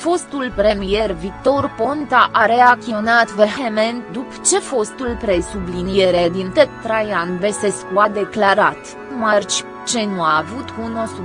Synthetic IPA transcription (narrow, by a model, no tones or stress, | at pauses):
fo̞st̪ulpɾe̞mije̞rvik̚t̪o̞rpo̞nt̪aʔaɾe̞ak̪ionat̪verxemend̪upt͡ʃe̞fo̞st̪ulpɾe̞sublinijeɾed̪int̪ett̪ɾajanveseskuad̪e̞klaɾat̪ | mart͡ʃʲ | t͡ʃe̞nuaːvut̪unosu